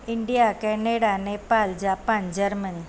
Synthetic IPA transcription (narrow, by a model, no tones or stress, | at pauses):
iɳɖijakɛneɽanepald͡ʑapãnd͡ʒəɾməni